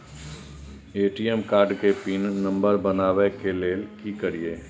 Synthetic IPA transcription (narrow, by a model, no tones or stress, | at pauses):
eːʈiːɛmkaːɾɖkepinnə̃mbəɾbənaːwekeleːlkikəɾieː